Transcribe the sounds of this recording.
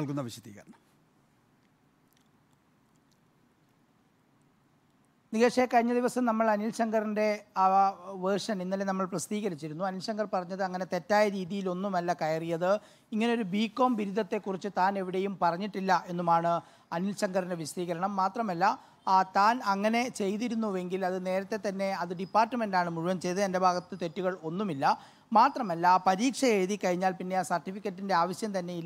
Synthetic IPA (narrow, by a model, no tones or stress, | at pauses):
ɐɭkunːɐʋiɕɐd̪ḭːɣɐɾɐɳɐm | niɣeːʂekɐɻiɲːɐðiʋɐsɐmnɐmːɐɭɐnilɕɐŋɡɐrinde̞ | ʋerʂɐninːɐlenɐmːɐɭprɐst̪iːɣɐɾit͡ɕːiɾunːuɐnilɕɐŋɡɐrpɐrɐɲːɐðɨɐŋːɐne̞t̪e̞tːaːjɐɾiːðijilo̞nːumɐlːɐkɐjɐrijɐðɨ | iŋːɐne̞o̞ɾubiːkːo̞ːmʋiɾud̪ɐt̪ːe̞kːurit͡ɕːɨt̪aːne̞ʋiɽe̞jumpɐrɐɲːiʈːilːɐʔe̞nːumaːɳɨ | ɐnilɕɐŋɡɐrineʋiɕt̪iːɣɐɾɐɳɐmːaːt̪rɐmɐlːɐ | t̪aːnɐŋːɐne̞t͡ɕe̞jt̪iɾunːuʋe̞ŋɡilɐðɨne̞ːɾɐt̪ːe̞t̪ɐnːe̞ɐðɨɖipːaːrʈːɨme̞ndaːɳɨmuɻuʋɐmt͡ɕe̞jðɨe̞nde̞bʱaːɡɐt̪ːɨt̪e̞tːuɣɐɭo̞nːumilːɐ | maːt̪rɐmɐlːɐpɐɾiːkʂɐe̞ːðikɐɻiɲːaːlpinːe̞aːsɐrʈːifikʲːɐʈːinde̞aːʋɐɕjɐmt̪ɐnːe̞jiː